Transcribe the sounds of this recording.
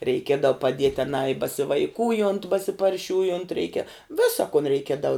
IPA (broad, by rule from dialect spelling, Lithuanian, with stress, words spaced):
rʲɛɪˈkʲiɛdɐʊ pɐˈdʲiɛtʲ ɐˈnɑː ɪ bɐsʲɪʋɐɪˈkuːjoːnt bɐsʲɪpɐrʲˈʃʲuːjoːnt ˈrʲɛɪkʲɛ ˈʋʲɪsɐ kʊn rʲɛɪˈkʲiɛdɐʊ